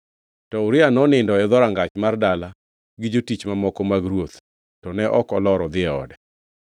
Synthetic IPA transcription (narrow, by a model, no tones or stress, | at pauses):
tɔʊɾɪanɔnɪndɔɛd̪ɔɾaŋɡat͡ʃmardala | ɡɪd͡ʒotit͡ʃmamɔkɔmaɡɾwot̪ | tɔnɛʔɔkɔlɔɾɔd̪ɪɛɔ̰dɛ